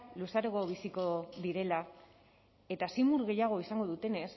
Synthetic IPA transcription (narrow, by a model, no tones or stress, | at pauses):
lusaɾeɣo̞β̞isiko̞ðiɾe̞la | e̞t̪asimuɾɣe̞jaɣ̞o̞isaŋɡo̞ðut̪e̞ne̞s